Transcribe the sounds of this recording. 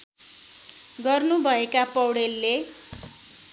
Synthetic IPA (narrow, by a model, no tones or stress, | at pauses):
ɡʌrnubʱʌekapʌwɽelːe